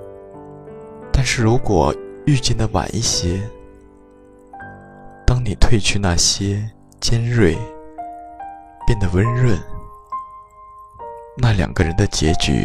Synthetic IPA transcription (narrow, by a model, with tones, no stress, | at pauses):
t̪a˥˧nʂɻ̩˥˩ɻu˧˥kwɔ˨˩y˥˧t͡ɕjɛ˥˩nd̪ə˩wa̰˨˩nʔi˥˩ɕjɛ˥ | t̪ɑ˥ŋni˨˩t̪ʰwe˥˧ɪt͡ɕʰy˥na˥˩ɕjɛ˥ | t͡ɕjɛ˥nɻwe˥˩ɪ | pjɛ˥˩nd̪ə˩wə˧˥nɻwə˥˩n | na˥˩ljɑ̰˨˩ŋɡə˦˧ɻə˧˥nd̪ə˧t͡ɕjɛ˧˥t͡ɕy̰˨˩